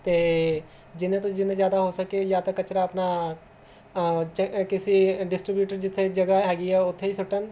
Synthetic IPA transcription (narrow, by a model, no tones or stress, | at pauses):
t̪eː | d͡ʒɪnẽt̪õd͡ʒɪnẽzjaːd̪aɦosɐkejat̪ɐkːɐt͡ʃɾaɐpna | t͡ʃkɪsiɖɪsʈɾɪbjuːʈəɾd͡ʒɪt̪ʰːed͡ʒɐɡaɦɛːɡiɛʊt̪ʰːeisʊʈən